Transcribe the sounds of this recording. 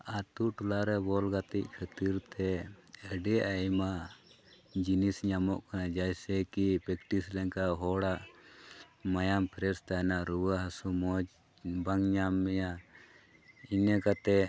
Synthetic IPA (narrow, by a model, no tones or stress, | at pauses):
at̪uʈulaɾɛbɔlɡat̪ic̚kʰat̪iɾt̪ɛɛɖɛʔajma | d͡ʒinisɲamɔʔkanad͡ʒajsɛkipɛkʈislɛŋkaɦɔɽaʔ | majampʰɾɛɾst̪anaɾuaɦasumɔd͡ʒ | baŋɲamːɛja | inɛkat̪ɛ